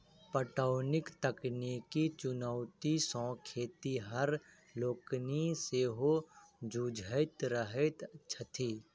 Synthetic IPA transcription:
pəʈəʊnɪkt̪əknikit͡ʃʊnəʊt̪isɔ̃ːkʰeːt̪iɦəɾ | loːkniseɦod͡ʒuːd͡ʒʱəɪt̪ɾəɦət̪ːʃʰət̪ʰiː

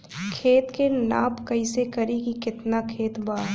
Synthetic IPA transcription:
kʰeːt̪kena̰ːpkɐɪsekɐɾikikɪt̪nakʰeːt̪baː

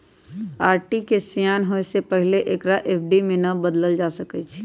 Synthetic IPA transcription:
aːɾʈikesjaːnɦoesepəɦɪleʔeːkɾaʔeːp̚ʰɖimẽnɐbəd̪ləld͡ʒaːsəkɛt͡ʃʰ

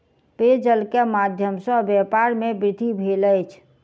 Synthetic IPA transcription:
ped͡ʒəlkemad̪ʱjəmsə̃bjɛpaɾmebɾɪt̪ibʱeləjt͡ʃʰ

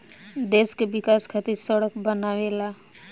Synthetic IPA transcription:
d̪eːskeʋɪkaːskʰət̪iɾsəɽəkbənaːʋelaː

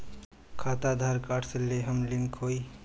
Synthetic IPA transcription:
kʰaːt̪ad̪ʱaɾkaːʈʰsəleɦəmliŋkɦoːi

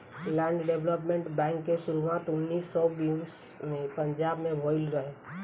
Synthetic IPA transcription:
lɛ̃ːɳɖɖebləp̬mẽɳʈbɛ̃ːŋkːesʊɾuʋaːt̪ʊnːiːsːɔːbis | mẽpə̃ɲd͡ʒaːbmẽbʱɔːɪlɾəɦeː

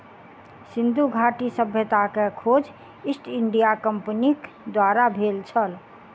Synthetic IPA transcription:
sind̪uɡʱaʈisəbʱjət̪akekʰod͡ʒ | isʈiɳɖijakəmpnik | d̪waɾabʱelt͡ʃʰəl

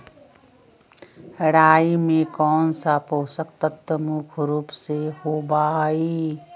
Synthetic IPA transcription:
həɽaːimẽkɔːnsapoːsək̚t̪ət̪ːəmukʰɾuːpseɦoːbaːi

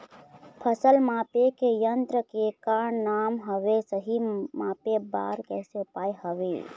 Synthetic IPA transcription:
pʰəsəlmapekejənt̪ɾəkekaɳnamɦəʋesəɦimapeba̰ɾkɛsepajɦəʋḛ

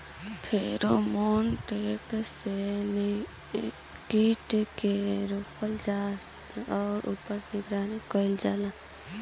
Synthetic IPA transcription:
pʰeːɾomoːnʈepse | kiʈkeɾoːkʰəld͡ʒaː | ɔːɾṵːpəɾnɪɡɾaːnikəɪld͡ʒaːla

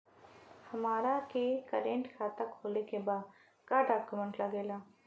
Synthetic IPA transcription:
hɐmaːɾakekəɾẽːɳʈkʰaːt̪akʰoːlekebaːd̪ | kaɖaːkumə̃ɳʈləɡeːlaː

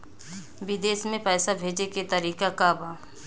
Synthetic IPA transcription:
bɪd̪eːsmẽpɛːsabʱeːd͡ʒeket̪əɾiːkakabaː

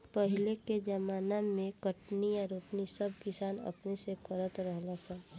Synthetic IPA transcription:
pəɦɪleked͡ʒəmaːnamẽkəʈnijaɾoːpnisəb̚ʱkɪsaːnə̰pnesekəɾət̪ɾəɦlasɛ

